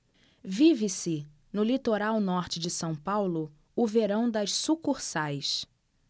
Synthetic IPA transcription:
vivɪsɪ | nʊlit̪oɾawnɔɾt͡ʃɪd͡ʒɪsɐ̃w̃pawlʊ | ʊveɾɐ̃w̃d̪ɐʃsukuɾsajs

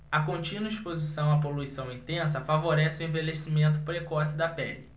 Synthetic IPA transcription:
ɐkõnt͡ʃĩnwɐispozisɐ̃w̃ɐp̬oluisɐ̃w̃ĩnt̪ẽsɐfavoɾɛsɪʊẽvelesimẽnt̪ʊpɾekɔsɪd̪ɐpɛli

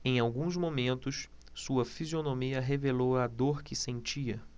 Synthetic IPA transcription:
ẽj̃awɡũzmomẽnt̪ʊʃsuɐfizionõmiɐɦevelowɐd̪oɾkɪsẽt͡ʃiɐ

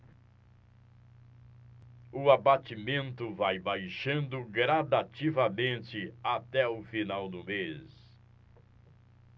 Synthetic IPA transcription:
ʊabat͡ʃimẽnt̪ʊvajbajʃɐ̃nd̪ʊɡɾad̪at͡ʃivɐmẽnt̪ɪat̪ɛʊfinawd̪ʊmes

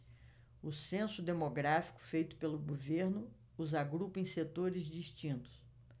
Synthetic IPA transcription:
ʊsẽsʊd̪emoɡɾafi̥kʊ̥fejt̪ʊ̥pelʊɡoveɾnʊ | uzaɡɾupẽj̃set̪oɾɪzd͡ʒist͡ʃĩnt̪ʊ̥s

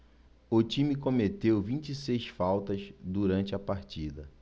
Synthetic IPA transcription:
ʊt͡ʃĩmɪkõmet̪ewvĩt͡ʃisejsfawt̪ɐzd̪uɾɐ̃nt͡ʃɪɐpaɾt͡ʃid̪ɐ

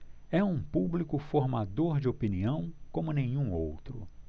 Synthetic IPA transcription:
ɛũpublikʊfoɾmad̪oɾd͡ʒɪopiniɐ̃w̃kõmʊnẽɲ̃ũowt̪ɾʊ̰

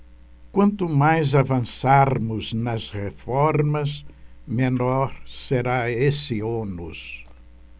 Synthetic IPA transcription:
kwɐ̃nt̪ʊmajzavɐ̃saɾmʊznɐzʁefɔɾmɐzmenɔɾseɾaesɪonʊs

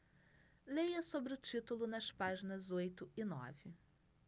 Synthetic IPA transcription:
lejɐsobɾɪʊt͡ʃit̪ulʊnɐspaʒinɐzojt̪ʊɪnɔ̰vɪ

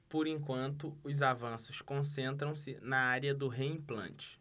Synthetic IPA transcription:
pʊɾẽŋkwɐ̃nt̪ʊʊzavɐ̃sʊskõsẽnt̪ɾɐ̃w̃sɪnɐaɾiɐd̪ʊɦeĩplɐ̰̃nt͡ʃɪ̥

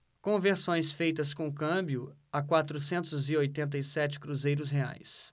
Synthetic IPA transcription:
kõveɾsõj̃sfejt̪ɐskõʊkɐ̃bjʊakwat̪ɾʊsẽnt̪ʊzɪojt̪ẽnt̪̬ɐisɛt͡ʃɪ̥kɾuzejɾʊsɦea̰js

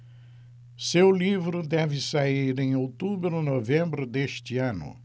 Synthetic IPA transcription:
sewlivɾʊd̪ɛvɪsaiɾẽj̃owt̪ubɾʊnovẽmbɾʊd̪eʃt̪ɪɐ̃nʊ̰

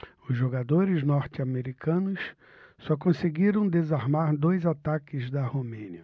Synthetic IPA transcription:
ʊzʒoɡad̪oɾɪznɔɾt͡ʃɪameɾikʰɐ̃nʊs | sɔkõseɡiɾɐ̃w̃d̪ezaɾmaɾd̪ojzat̪akɪzd̪ɐhomẽniɐ

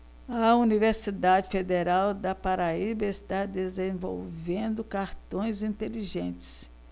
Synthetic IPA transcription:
ɐuniveɾsid̪ad͡ʒɪfed̪eɾawd̪ɐpaɾaibɐɪst̪ad̪ezẽvo̰wvẽnd̪ʊkaɾt̪õj̃zĩnt̪eliʒẽnt͡ʃɪ̥s

